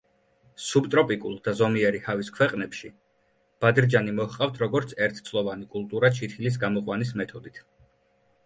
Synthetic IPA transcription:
subt̪ʼɾɔpʼikʼṵlˠd̪azɔmiɛɾihaviskʰwɛqʼnɛpʃi | b̥ad̪ɾd͡ʒanimɔhqʼaft̪ʰɾɔɡɔɾt̪sʰɛɾt̪ʰt̪sʰlˠɔvanikʼulˠt̪ʼuɾat͡ʃʰit̪ʰilis̬ɡamɔqʼwanismɛt̪ʰɔd̪it̪ʰ

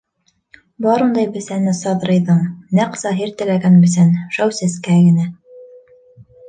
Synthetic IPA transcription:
bɑɾund̪ɑjbɘ̆sænɘsɑðɾɤ̆jðɤɴnæqsɑɦiɾt̪ɘ̆læɡænbɘ̆s̬ænʃæwsæskæɡɘ̆næ

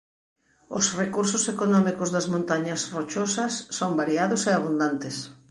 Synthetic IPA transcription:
osrekuɾsʊsekonɔmikʊzðɐzmõnt̪aɲɐsrot͡ʃosɐsːoŋbaɾiaðʊseaβ̞und̪ant̪es

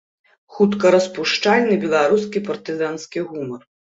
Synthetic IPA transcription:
xut̪kɐɾɐspuʂt͡ʂalʲnɨbʲɛlˠaɾus̬kʲipɐrt̪ɨzanskʲiɣumɐr

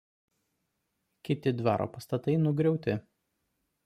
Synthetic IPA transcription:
kʲɪt̪ʲɪd̪ʋɑ̰ːɾʔo̰ːpɐst̪ɐt̪ɐɪnʊɡɾʲɛʊt̪ʲɪ

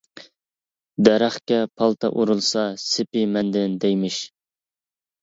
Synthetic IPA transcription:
d̪ɛɾæχkʲɛpʰɑlˠt̪ʰɑ̰ʔuɾulˠsɑsɪpɪmɛnd̪ɪnd̪ɛjmɪʃ

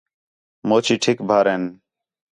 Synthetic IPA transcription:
moːt͡ʃʰiːʈʰɪkbʱaːɾeːn

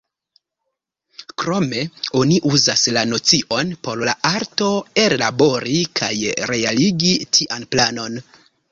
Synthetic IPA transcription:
kɾo̞me̞o̞niʔuzaslano̞t͡siʔo̞npo̞ɾlaʔaɾto̞e̞ɾlabo̞ɾikʰajɾe̞aliɡitʰiʔanplano̞n

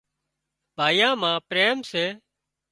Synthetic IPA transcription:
bʱaːjãːmãːpɾeːmseː

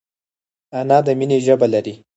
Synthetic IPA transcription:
anɑd̪əmineʒəbalaɾi

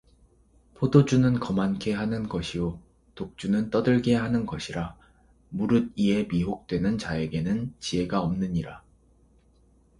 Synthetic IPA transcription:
pʰodod͡ʑunɯnkʌmankʰe̞ɦanɯnɡʌɕʰio | tok̚t͡ɕ͈unɯnt͈ʌdɯɭɡe̞ɦanɯnɡʌɕʰiɾa | muɾɯd̚ie̞miɦok̚t͈we̞nɯnt͡ɕaeɡe̞nɯnt͡ɕie̞ɡaʌmnɯɲiɾa

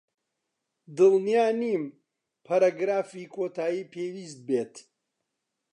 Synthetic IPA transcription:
d̪ɨlnijaːnim | pʰɐɾaːɡɾaːfikʰoːt̪ʰaːjiːpʰeːwiːst̪̚bet̪

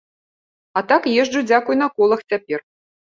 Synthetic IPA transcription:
at̪akjeʐd͡ʐud͡zʲakujnɐkɔlˠɐxt͡sʲapʲer

